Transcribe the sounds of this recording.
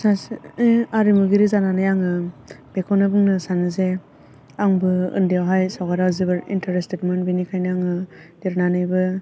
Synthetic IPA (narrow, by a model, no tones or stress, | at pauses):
sas | aɾimuɡiɾizananɯjaŋɯb̥ekʰonɯbɯŋnɯsanɯze | aŋbɯɯ̰ndijawɦajsawɡaɾawzibɯɾḭntʰaɾestetmɯnbinikʰajnɯaŋɯdiɾnanɯjbɯ